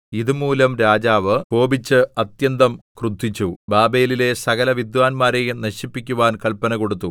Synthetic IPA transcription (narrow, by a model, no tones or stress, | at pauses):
iðumuːlɐmɾaːd͡ʑaːʋɨpo̞ːbit͡ɕːɨɐt̪jɐnd̪ɐmkrud̪ʱːit͡ɕːubaːbejlile̞sɐɣɐlɐʋid̪ʋaːnmaːɾejinɐɕipːikʲːuʋaːnkɐɭpɐnɐko̞ɽut̪ːu